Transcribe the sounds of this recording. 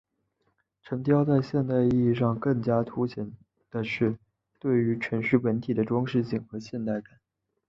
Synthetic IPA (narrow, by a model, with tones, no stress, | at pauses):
ʈ͡ʂʰɤ˧˥ŋt̪ʰjɑ˥ʊt͡sa˥˧ɪɕjɛ˥˧nt̪a˥˧ɪi˥˧i˥˧ʂɑ˥˧ŋkɤ˥˩ŋt͡ɕja˥t̪ʰu˥ɕjɛ˧˥n | d̪̥ə˧ʂɻ̩˥˧ | t̪we˥˩ɪy˧˥t͡ɕʰɥə˧˥nʂy˥pə˧˥nt̪ʰi˨˩d̪ə˦ʈ͡ʂwɑ˥ŋʂɻ̩˥˧ɕi˥˩ŋxɤ˧˥ɕjɛ˥˧nt̪a˥˩ɪka˨˩˦n